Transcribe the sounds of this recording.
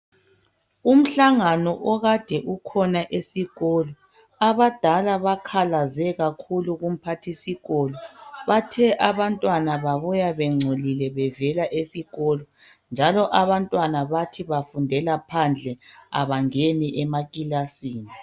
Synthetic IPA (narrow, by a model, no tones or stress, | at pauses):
um̩ɬaŋanɔʔɔɣad̥ʱɛʔukʰɔnaʔesiɣɔlɔ | aβad̥ʱalaβakʰalazɛɣakʰuluɣum̩pʰatʰisiɣɔːlɔβatʰɛʔaβantʼwanaβaβujaβɛŋ͡ǀʱolilɛβɛvɛlaʔesiɣɔlɔ | nd͡ʒʱalɔʔaβantʼwanaβatʰiβafundʱɛlapʰand͡ɮʱɛa̰βaŋeniʔɛmaɣʼilasiːni